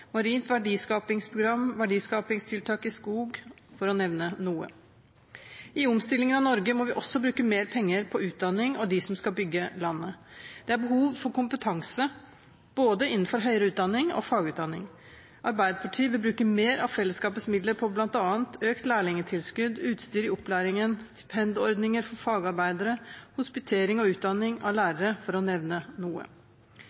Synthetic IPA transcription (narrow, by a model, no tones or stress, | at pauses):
mɑɾiːnt̪ʋæɖiːskɑːpɪŋspʰɾʊɡɾɑmʋæɖiːskɑːpɪŋst̪ʰɪlt̪ʰɑːkɪskuːɡ | fɔɾɔnɛʋnənuːə̰ | ɪʊmst̪ɪlɪŋənɑʋnɔɾɡəmɔʋɪʔɔsɔbɾʉːkəmeːɾpʰɛŋːəɾpʰɔʉːt̪̚d̪ɑnːɪŋɔd̪ɪsɔmskɑlbʏɡːəlɑnːəd̪̥ɛæɾbəɦuːʋfɔɾkʊmpət̪ʰɑŋsə | b̥oːd̪əɪnn̩fɔɾɦœʏɾəʉːt̪̚d̪ɑnːɪŋɔ̰fɑːɡʉːt̪d̪ɑnːɪ̰ŋ | ʔɑɾbæɪd̪əpʰɑʈʰiːəʋɪlbɾʉːkəmeːɾɑʋfɛlːəskɑːpət̪smɪd̪ləɾpʰɔblɑnt̪ɑːənt̪ʰøːkt̪læːɭɪŋət̪ʰɪlskʉd̪ʉːt̪st̪yːɾɪɔplæːɾɪŋənst̪ɪ̥pʰɛnd̪ɔɾd̪nɪŋəɾfɔɾfɑːɡɑɾbæɪd̪əɾəhʊspɪt̪ʰeːɾɪŋɔʉːt̪̚d̪ɑnːɪŋɑ̰ʋlæːɾəɾəfɔɾɔnɛʋnənuːə̰